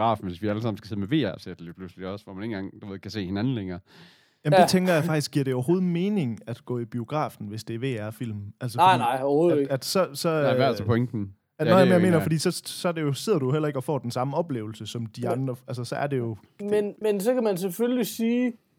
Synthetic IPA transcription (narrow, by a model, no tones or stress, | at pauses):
ɡ̥ʁɑ̰̈ːfn̩ʋe̝sʋiæləs̬ɑ̈m̰n̩ɡ̥æse̝ð̩ˠmeʋe̝̰ːæɐsed̥lḭːpʰlusli̥ɒ̽səʋɒmæne̝nɡɑ̈ŋd̥uʋeðˠkʰæse̝̰ːhe̝nænn̩leŋɐː | jæmd̥et͡sʰeŋɡ̥ɐjäɑ̈ɡ̥̚d̥isɡ̥iɐ̰ɾe̝oʊɐɦo̝ːð̞̩ˠme̝ːne̝ŋæd̥ɡ̥ɔ̰̽ːib̥io̝ɡ̥ʁɑ̰̈ːfn̩ʋe̝sd̥e̝ʋe̝̰ːæɐfil̰mælsəɪnɑɪ̰oð̩ˠæd̥sɒ̽sɒ̽ʋæɐ̰spʰeŋd̥n̩ | ænoæmeɐme̝ːnɐfɒdḭːsɒ̽sɒ̽ɐde̝jo̝seð̞̰ˠɐɾ̥ujoel̰ɐe̝ɡ̥ɒ̽fɒ̰ːd̥ensɑ̈məɒ̽b̥le̝ːʊl̩səsɒ̽md̥iɑnd̥ʁɐælsɐsɒ̽æɐde̝jo̝ | menmensɒkæmæns̬eføllisiː